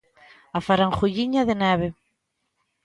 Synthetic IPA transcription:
afaɾaŋχuʎiɲaðɪnɛβɪ

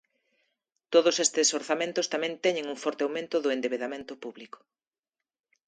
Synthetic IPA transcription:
t̪oð̞ʊsest̪ɪsoɾθamẽnt̪ʊst̪amɛ̃nt̪ɛɲẽŋuŋfɔɾt̪eawmẽnt̪ʊðʊẽnd̪eβeðamẽnt̪ʊpuβlikʊ̥

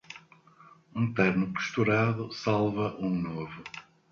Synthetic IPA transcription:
ũt̪ɛɾnʊpu̥ʃt̪uɾaðʊsalˠvɐʔũnovʊ

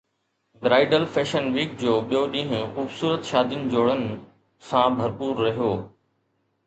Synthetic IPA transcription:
dɾaːɪɖəlfeːʃənʋiːk̚d͡ʑoːɓijoɗĩːɦʊ̃xuːbsuːɾət̪ʃaːd̪ijnɪ̆d͡ʑoːɽənɪ̆ | sãbʱɐɾpuːɾːɐɦijoː

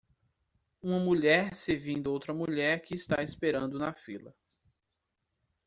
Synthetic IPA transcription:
ũmɐmuʎɛɾsevĩd̪ʊowt̪ɾɐmuʎɛɾkɪːst̪aɪspeɾɐ̃nd̪ʊnɐfilɐ

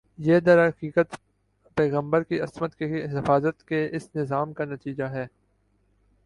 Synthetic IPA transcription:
jeːd̪ɐɾɦɐqiːqət̪ | pɛːɣə̃mbəɾkiɐsmət̪keɦɪfaːzət̪keɪsnɪzaːmkanɐt̪iːd͡ʒaɦɛː

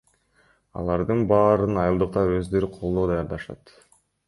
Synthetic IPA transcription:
ɑ̰lˠɑɾd̪ɯnbɑːɾɯnɑjɯlˠd̪ɯq̚t̪ɑø̞zd̪ø̞ɾyqʰo̞lˠd̪o̞ːd̪ɑjɑɾd̪ɑʃɑ̰t̪

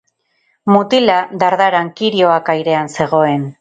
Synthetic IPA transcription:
mut̪ilad̪aɾðaɾaŋkiɾio̞akajɾe̞anse̞ɣ̞o̞e̞n

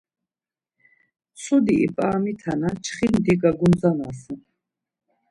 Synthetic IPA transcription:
sʰud̪iʔḭpʼaːmit̪ʰanat͡ʃʰχimd̪iɡaɡunzanas

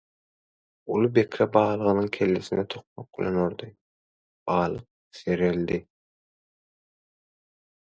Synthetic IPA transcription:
ulˠubekʲʰɾebɑːlˠɯʁɯnɯŋkʲʰelːesinet̪ʰoq̚moq̚bilʲeno̞ɾd̪ɯ | b̥ɑːlˠɯq̚ | seɾeld̪i

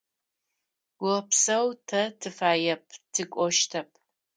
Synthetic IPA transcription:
wɐpʰsɐwtʰɐtʰɨfaːjɐpʼtʰɨkʷʼɔʃtʰɐpʼ

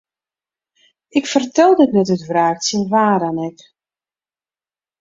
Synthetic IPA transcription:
ɪkfərtɛlˠdɪtnɛtytvraːksinʋaːdanɛk

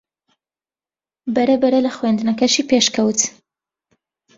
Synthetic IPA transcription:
baɾabaɾalaxwand̪nakaʃipeʃkawt̪

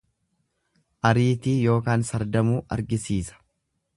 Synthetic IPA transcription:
ʔɐɾiːt̪ijo̞ːkaːnsɐɾd̪ɐmuːʔɐ̰ɾɡɪsiːsɐ̥

